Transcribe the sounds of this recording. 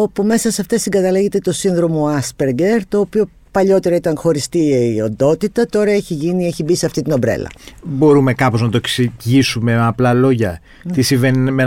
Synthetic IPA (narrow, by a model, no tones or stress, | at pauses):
o̞pume̞sɐsɐft̪esiŋɡɐt̪ɐleʝe̞t̪e̞t̪o̞sinðɾo̞mo̞ɐspeɾɡe̞ɾt̪o̞ːpio̞ | pɐʎo̞t̪e̞ɾɐit̪ɐnxo̞ɾist̪iiond̪o̞t̪it̪ɐt̪o̞ɾɐeçiʝinieçibiseɐft̪it̪ino̞bɾḛlɐ̰bo̞ɾume̞kɐpo̞znɐt̪oeksiʝisume̞meɐplɐlo̞ʝɐ | t̪isiɱvenime